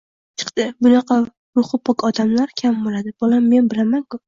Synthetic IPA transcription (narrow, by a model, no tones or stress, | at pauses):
t͡ʃʰɨ̥qt̪ɪbʊnɑqɑ | ɾʊχɨpʰɒkɒd̪amlaɾkʲʰambolad̪ɪb̥olamːe̞nbɪlamaŋkʊ